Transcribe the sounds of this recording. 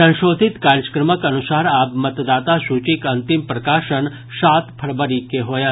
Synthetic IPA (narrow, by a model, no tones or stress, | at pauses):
ɐ̃ʃoːd̪ʱit̪kaːɾəkɾəməkɐnusaːɾaːpmɐt̪d̪aːt̪asut͡ʃikɐnt̪impɾɐkaːʃən | ʃaːt̪pʰɐɾbəɾikeɦoːja